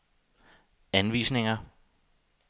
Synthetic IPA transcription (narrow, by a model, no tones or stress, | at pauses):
ænʋḭːsne̝ŋɐ